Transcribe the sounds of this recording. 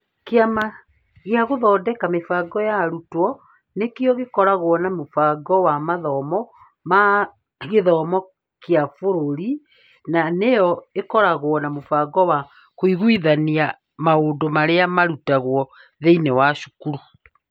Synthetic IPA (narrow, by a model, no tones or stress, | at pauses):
keama | ɣjaɣoðɔːdɛkamefaɡɔjaɾutwɔ | nekeɔɣekɔɾaɣwɔnamofaɡɔwamaðɔmɔ | ma | ɣeðɔmɔ | kjafoɾoɾi | nanejɔekɔɾaɣwɔnamofaɡɔwa | koiɣwiðania | maoːndomaɾeamaɾutaɣwɔ | ðeinewaʃu̥kuɾu